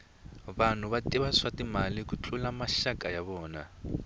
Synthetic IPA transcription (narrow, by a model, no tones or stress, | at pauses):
βan̤uβatiβaswatimalikut͡ɬʰʼulamaʃakajaβɔːna